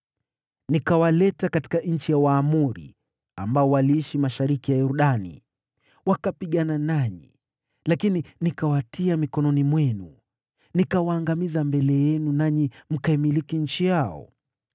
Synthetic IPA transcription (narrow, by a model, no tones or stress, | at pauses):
nikawalɛtakati̥kaɲ̩t͡ʃijawaːmuɾḭ | ambaɔwaliiʃimaʃaɾikijajuɾuɗanḭ | wakapiɠananaɲḭ | lakininikawatʰiamikɔnɔnimwɛnu | nikawaːŋɡamizambɛlɛjɛnunaɲim̩kaimilikiɲ̩t͡ʃijaɔ̰